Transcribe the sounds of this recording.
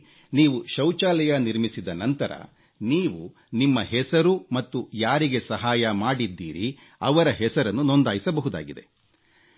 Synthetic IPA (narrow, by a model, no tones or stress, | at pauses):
niːʋuʃɐwt͡ʃaːlɛjɐniɾmisid̪ɐnɐnt̪ɐɾɐ̰ | niːʋu | nimːɐɦɛsɐɾumɐt̪ːujaːɾiɡe̞sɐɦaːjɐmaːɽid̪ːḭːɾi | ɐʋɐɾɐɦɛsɐɾɐnːunond̪aːjisɐbɐɦud̪a̰ːɡid̪e̞